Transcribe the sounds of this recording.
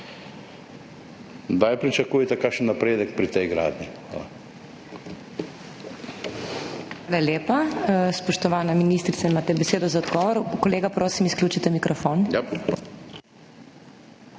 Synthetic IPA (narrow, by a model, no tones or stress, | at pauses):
d̪ajpɾit͡ʃakuːjɛt̪ɛkaʃənːapɾeːd̪ɛkpɾit̪ɛjɡɾa̰ːd̪ni | ʋaːlaljeːpaspɔʃt̪ɔʋaːnaminist̪ɾit̪saimaːt̪ɛbɛseːd̪ɔzaɔd̪ɡɔːʋɔɾkɔleːɡapɾoːsimisklʲuːt͡ʃit̪ɛmikɾɔfoːn